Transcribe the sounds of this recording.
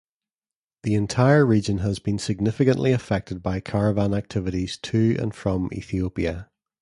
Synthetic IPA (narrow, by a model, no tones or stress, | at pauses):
ðiɪ̃ntʰaɪə˞ɹid͡ʒə̃nəzbĩnsɪɡ̚nɪfɪkə̃nʔlˠʔˠiəfɛk̚tɪd̚baɪkʰaɹəvãnak̚tʰɪvɪʔiz̥tʰʉə̰̃nfɹə̃mḭθiopiə